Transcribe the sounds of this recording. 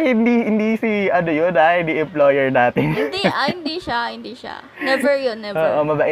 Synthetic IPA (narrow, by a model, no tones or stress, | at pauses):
hɪnd̪ihɪnd̪isiʔɐnojonahɪnd̪iʔɛmploːjɛɹnaːt̪ɪŋɪnd̪iʔɐhɪnd̪iʃahɪnd̪iʃa̰ | ɛbɛɹjonːɛʔoːʔomɐbɐʔɪ